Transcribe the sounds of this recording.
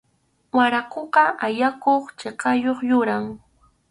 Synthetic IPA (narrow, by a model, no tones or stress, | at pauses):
waɾakoqɑʔajakoχt͡ʃeqɑjoχjʊɾaŋ